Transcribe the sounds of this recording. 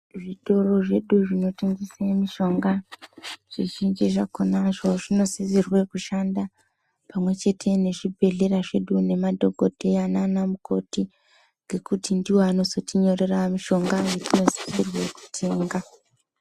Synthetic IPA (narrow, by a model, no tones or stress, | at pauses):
ʐito̞ro̞ʐe̞ɗuʐino̞teŋɡisemiʃo̞ŋɡa | ʐ̥iʒind͡ʒiʐakonaʐo̞ʐino̞sizirwe̞kuʃanda | pamwe̞t͡ʃe̞tʰe̞ne̞ʐibʱe̞ɮe̞ɾaʐe̞ɗune̞madʱo̞ɡʱodʱe̞ananamukʰo̞ti | ŋɡe̞kutindiwoano̞zo̞tiɲo̞re̞ramiʃo̞ŋɡajetino̞zi̥zirwe̞ku̥tʰe̞ːŋɡa